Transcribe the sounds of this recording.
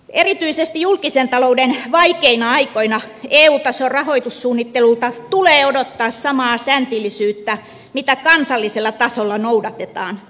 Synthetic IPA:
erit̪yisest̪ijulkisent̪ɑloudenʋɑikeinɑɑikoinɑeːuːt̪ɑsorrɑhoit̪ussuːnːit̪ːelult̪ɑt̪uleːodot̪ːɑːssɑmɑːsænt̪ilːˑisyːt̪ːæ | mit̪ækɑnsɑlːiselːɑt̪ɑsolːɑnoudɑt̪et̪ɑːn

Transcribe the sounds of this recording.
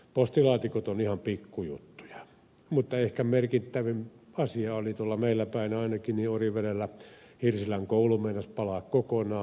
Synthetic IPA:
post̪ilɑːt̪ikot̪onihɑmpikːujṵt̪ːu̥j̥ɑ̥ | mut̪ːɑehkæmerkit̪ːæʋim | ɑsiɑolit̪uolːɑmeilːæpæˑinɑˑinɑkiniːoriʋerelːæ | hirsilæŋkoulumeinɑspɑlɑːkkokonɑː

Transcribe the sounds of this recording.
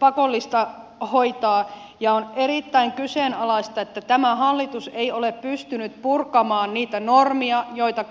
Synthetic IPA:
pɑkolːist̪ɑhoit̪ɑː | jɑonerit̪ːæiŋkyseːnɑlɑist̪ɑet̪ːæt̪æmæhɑlːit̪useioleppyst̪ynyt̪purkɑmɑːnniːt̪ænormiɑjoit̪ɑ

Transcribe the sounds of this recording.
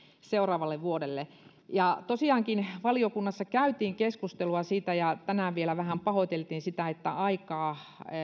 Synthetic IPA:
seurɑːʋɑlːeʋʋuoɾelːe | jɑt̪osiɑːŋkinʋɑliokunːɑsːɑkæyt̪iːŋkeskust̪eluɑsiːt̪æjɑt̪ænæːʋielæʋæhæmpɑhot̪elt̪iːnsit̪æet̪ːæ̰ɑikɑː

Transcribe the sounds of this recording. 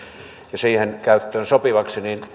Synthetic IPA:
jɑsiːhenkæyt̪ːøːnsopiʋɑksiniːn

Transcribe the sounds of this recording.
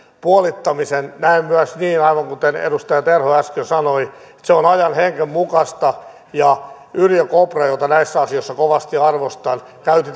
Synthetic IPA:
puolit̪ːɑmisennæimmyæsniːnɑiʋɑŋkut̪enḛdust̪ɑjɑt̪erhoæskøsɑnoiet̪seonɑjɑnheŋkemmukɑst̪ɑ | jɑ | yljøkoprɑjot̪ɑnæisːæɑsijoisːɑkoʋɑst̪iɑrʋost̪ɑːn | kæyt̪i

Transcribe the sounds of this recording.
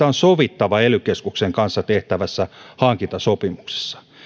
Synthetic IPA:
æonsoʋit̪ːɑʋɑelykeskukseŋkɑnsːɑt̪eht̪æʋæsːæhɑŋkint̪ɑsopimukse̥sːɑ̥

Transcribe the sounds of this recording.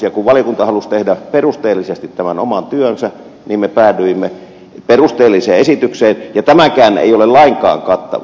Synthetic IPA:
jɑkuʋʋɑliɑkunt̪ɑhɑlust̪ehdæperust̪eːlːisest̪it̪t̪æmænomɑnt̪yønsæ | niːmmepæːdyimːe | perust̪eːlːiseːesit̪ykseːnjɑt̪æmækæːnḛˑijolellɑiŋkɑ̰ːŋkɑt̪ːɑ̰ʋ

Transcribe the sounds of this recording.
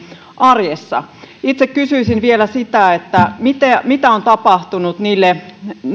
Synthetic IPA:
ʔɑrjesːɑ̰it̪sekkysyisinʋielæsit̪æet̪ːæmit̪emit̪æont̪ɑpɑht̪unut̪niːlːe

